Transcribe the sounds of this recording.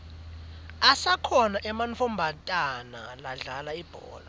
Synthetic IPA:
asakʰɔnaʔɛmanfom̩bʱatʼana̰laɮalaib̥ʱɔ̰ːla

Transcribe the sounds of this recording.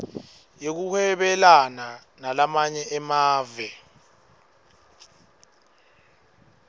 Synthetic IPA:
jek̬uhɛɓɛlana | nalamaɲɛʔɛmaːvɛ

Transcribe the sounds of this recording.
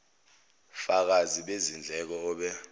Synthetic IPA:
fak̬aziɓezind͡ɮʱɛk̬ɔɔːɓɛ

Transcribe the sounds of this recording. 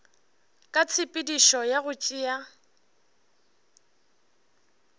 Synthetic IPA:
kʼat͡sʰɪpʼɪdiʃɔjaɣʊt͡ʃʼia

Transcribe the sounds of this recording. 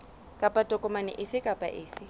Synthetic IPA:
kʼapʼatʼɔkʼɔmanɪ̰ʔɪθɪkʼapʼa̰ʔɪːθɪ

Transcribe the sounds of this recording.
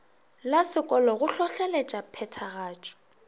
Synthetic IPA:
lasɪkʼɔlɔɣʊɬɔɬɛlɛt͡ʃʼapʰɛtʰaɣaːt͡ʃʼɔ̥

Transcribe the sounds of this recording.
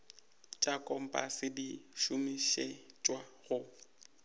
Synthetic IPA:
t͡ʃʼakʼɔm̩pʼa̰sɪdiʃʊmiʃet͡ʃʼwaɣʊ

